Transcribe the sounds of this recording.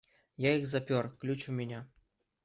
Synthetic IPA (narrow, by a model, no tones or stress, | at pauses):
jaixzapʲorklʲut͡ɕumʲɪnʲa